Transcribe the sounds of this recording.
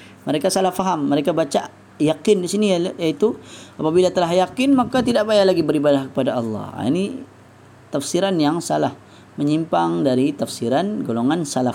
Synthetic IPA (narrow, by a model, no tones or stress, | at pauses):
məɾekasalahfaɦamːəɾekabat͡ʃa | jakɪndisinijait̪uapabilat̪əlaɦjakɪnmakat̪idaʔbajalaɡibəɾibadahkə̥padaɑlːɑ̰hḭni | t̪afsiɾanjaŋsalah | məɲimpaŋdaɾit̪afsiɾanɡoloŋansala